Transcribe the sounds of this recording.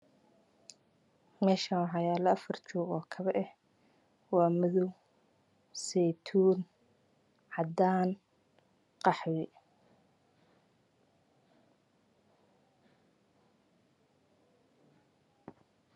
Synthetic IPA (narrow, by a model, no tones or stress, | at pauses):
mɛːʃɐħɑjaːlɐɐfɐrt͡ʃuːɣɔːkʰɐβɛʔɛh | wɑːmɪðʊw | sɛjt̪ʰuːn | ʕɑd̪aːn | qɑħwɪ